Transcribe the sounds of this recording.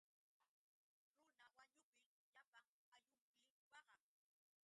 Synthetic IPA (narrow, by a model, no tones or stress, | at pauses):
ɾʊnawaɲʊpɪ | ʎapaŋ | aʎʊmpɪwɑɢɑŋ